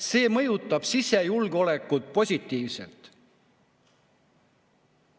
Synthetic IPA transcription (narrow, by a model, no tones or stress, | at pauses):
se̞ːmɤjut̪ːˑɑb̥sisejulɡ̥o̞le̞kːˑut̪̚po̞sʲit̪ˑːiːvsḛlt̪